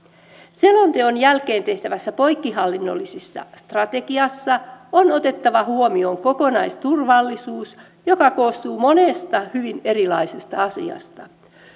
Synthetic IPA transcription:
se̞lo̞nt̪eo̞njælke̞ːnt̪e̞ht̪æʋæsːæpo̞jkːiɦɑlːinːo̞̰lːisisːɑ̰st̪rɑt̪e̞ɡiɑsːɑono̞t̪e̞t̪ːɑʋɑhuomio̞ŋko̞ko̞nɑjst̪urʋɑlːisuːs | jo̞kɑko̞ːst̪uːmo̞ne̞st̪ɑhyʋine̞ɾilɑise̞st̪ɑɑsḭɑ̰st̪ɑ

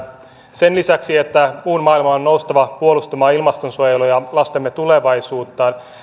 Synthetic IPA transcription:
senlisæksiet̪ːæmuːnmɑːilmɑonːoust̪ɑʋɑpuolust̪umɑːilmɑst̪onsuojelujɑlɑst̪emːet̪uleʋɑjsuːt̪ːɑːn

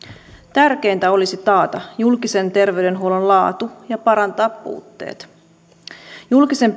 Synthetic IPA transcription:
t̪ærk̟e̞jnt̪æo̞lisit̪ɑːt̪ɑjulkise̞nt̪e̞rʋe̞yde̞nɦuolonlɑːt̪ujɑpɑɾɑnt̪ɑːpːṵːt̪ːe̞̰ːt̪ | julkise̞m

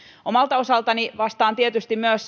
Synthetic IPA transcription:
ʔomɑlt̪ɑosɑlt̪ɑniʋɑst̪ɑːnt̪iet̪yst̪immyøs

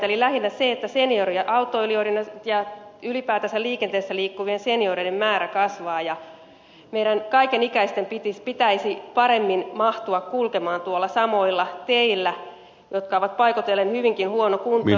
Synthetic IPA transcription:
elilæhinːæseet̪ːæsenioriɑʔɑut̪ːoyliorinɑjɑylipæːt̪æsælliːkent̪eːsːæliːkːuʋienseniorenemmæːɾækɑsʋɑːjɑ | meiɾænkɑikenikæist̪empit̪ispit̪æisipɑɾemːinmɑht̪uɑkkulkemɑːnt̪uolːɑsɑmoilːɑt̪eilːæ | jot̪kɑoʋɑt̪̚pɑikot̪elːenhyʋiŋkinhuonokunt̪

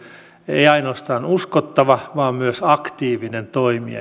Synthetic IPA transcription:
ḛiɑinoːst̪ɑːnuskot̪ːɑʋɑʋɑːmmyøsɑkt̪iːʋinent̪oimḭɑ̰

